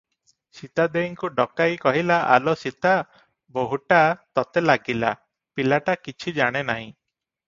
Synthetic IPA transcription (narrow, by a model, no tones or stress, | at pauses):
sit̪ad̪eiŋkuɖɔkajkɔɦilaʔa̰lɔsit̪a | boɦuʈat̪ɔt̪elaɡila̰ | pilaʈakit͡ʃʰid͡ʒaɽ̃enaɦĩ